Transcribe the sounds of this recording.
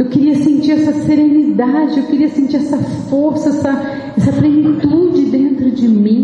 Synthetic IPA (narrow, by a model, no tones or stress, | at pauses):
ewkeɾiɐsẽnt͡ʃiɾɛsɐseɾẽnid̪ad͡ʒɪewkeɾiɐsẽnt͡ʃiɾɛsɐfoɾsɐɛsɐ | ɛsɐplẽnit̪ud͡ʒɪd̪ẽnt̪ɾʊd͡ʒɪmĩ